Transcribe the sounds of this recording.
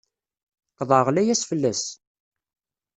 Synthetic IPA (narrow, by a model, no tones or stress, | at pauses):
qðˤɑʁlæjæsfəlːæs